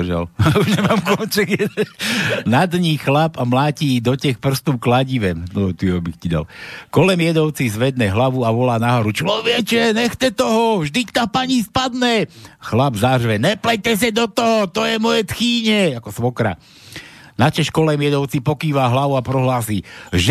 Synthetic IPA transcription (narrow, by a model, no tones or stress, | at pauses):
ʒa̰luʒɲɛmaːmkɔnt͡ʃɛɡɛ | nad̪ɲiːxlapamlaːciːd̪ɔcɛxpr̩st̪uːklaɟiʋɛmnɔt̪iabixcid̪a̰lkɔlɛmjɛd̪ɔʊt͡sizʋɛd̪nɛɦlaʋuaʋɔlaːnaɦɔɾut͡ʃlɔʋɪɛt͡ʃɛɲɛxt͡sɛt̪ɔɦɔvʒd̪ict̪apaɲispad̪nɛxlabzaɦrʒʋɛnɛplɛt̪ɛs̬ɛd̪ɔt̪ɔɦɔt̪ɔjɛmɔjɛt̪xiːɲɛakɔsʋɔkɾa̰ | nat͡ʃɛʃkɔlɛmjɛd̪ɔʊt͡sipɔkiːʋaɦlaʋuapɾɔɦlaːsiːʒ